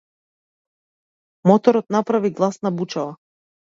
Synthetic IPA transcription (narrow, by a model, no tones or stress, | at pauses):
mɔt̪ɔɾɔt̪napɾaviɡlˠasnabut͡ʃava